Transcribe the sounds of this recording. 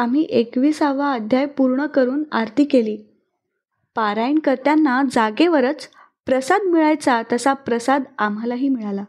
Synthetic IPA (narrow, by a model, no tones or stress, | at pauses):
am̤iːʔekʋiːsaʋaəd̪ʱjajpuɾɳəkəɾuːnaɾt̪iːkeliː | paɾaiɳkəɾt̪janːad͡zaɡeʋəɾət͡s | pɾəsad̪miɭajt͡sat̪əsapɾəsad̪am̤alaɦiːmiɭala